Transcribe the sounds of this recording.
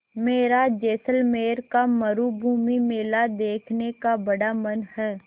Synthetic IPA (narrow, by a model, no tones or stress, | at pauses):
meːɾad͡ʒeːsəlmeːɾkamɐɾubʱuːmimeːlad̪eːkʰnekabɐɽamɐnhɛː